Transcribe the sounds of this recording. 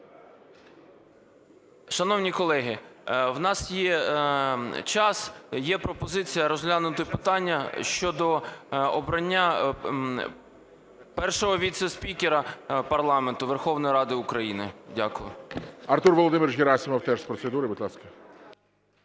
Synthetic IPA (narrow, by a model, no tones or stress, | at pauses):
ʃɐnɔwnʲikɔlˠɛɦɪwnɑsjɛ | t͡ʃɑsjɛpɾɔpɔzɪt͡sʲijɐɾɔzɦlʲanʊt̪ɪpɪt̪ɑnʲːɐʃt͡ʃɔd̪ɔɔbɾɐnʲːa | pɛrʃɔɦɔʋʲit̪sɛspʲikʲeɾɐpɐrlˠɑment̪ʊʋerxɔwnɔjɾɑd̪ɪʊkɾɐjinɪdʲakʊjʊ̰ɐrt̪urʋɔlˠɔd̪ɪmɪrjʲeɾɑsʲimɐwt̪ɛʃspɾɔsed̪uɾɪbud̪lˠɑskɐ